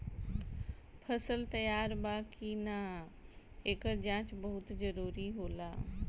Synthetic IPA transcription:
pʰɐsəlt̪ɐjaːɾbaːkʰina | eːkəɾd͡ʒãːt͡ʃbɐɦʊt̪zɐɾuːɾiɦoːlaː

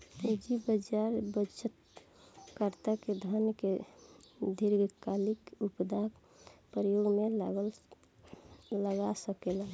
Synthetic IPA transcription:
pud͡ʒibəd͡ʒaɾbət͡ʃʰət̪ | kəɾt̪aked̪ʱanke | d̪ʱiɾɡkalikupd̪ak | pəɾəjoɡmelə | ləɡasəkelən

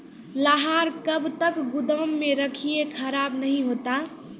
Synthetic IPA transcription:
ləɦaɾkəbt̪əkɡud̪əmːeɾəkʰijekʰəɾabnəɦĩɦot̪a

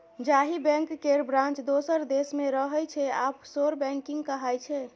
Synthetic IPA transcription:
d͡ʒaɦibɛ̃ŋkːeɾbɾãnt͡ʃd̪osəɾd̪esmeɾəɦəjt͡ʃʰɛapsoɾbɛ̃ŋkiŋɡkəɦajt͡ʃʰɛ

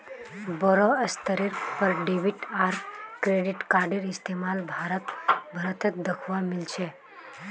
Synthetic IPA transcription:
bɔɾoəst̪əɾiɾpəɾɖeʋiʈaːɾkɾeɖɪʈkaːɾɖiɾɪst̪emaːlbʱaːɾət̪bʱəɾət̪ʰət̪̚d̪əkʰʋamɪlt͡ʃʰe

